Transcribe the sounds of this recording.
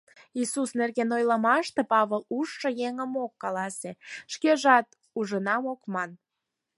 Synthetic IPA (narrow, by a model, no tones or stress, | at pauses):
isusnerɣenojləmɑʃt̪epɑβəluʃːəjeŋəmokːɑlɑseʃkeʒɑt̪̚ | uʒənɑmokmɑn